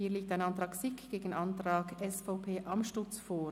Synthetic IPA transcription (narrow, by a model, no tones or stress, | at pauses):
hiːliːk̚taɪnɑntɾɑːksɪkɡ̥eːɡn̩ʔɑnt̪ɾɑːɡɛsfaʊpʰeːʔɑmʃtʊt͡sfoː